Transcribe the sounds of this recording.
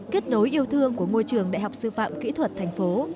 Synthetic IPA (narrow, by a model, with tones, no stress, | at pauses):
ke˦˥t̚no˨˦jʔi˧əwt̪ʰɨ˧əŋku˧˩əŋo˧jt͡ɕɨ˨˩əŋɗa̰˧˨jɦa˨˩wk͡p̚sɨ̰˧fa̰ː˧˨mkḭ˧˥t̪ʰwə˨˩t̚t̪ʰa˨˩jŋ̟fo˨˦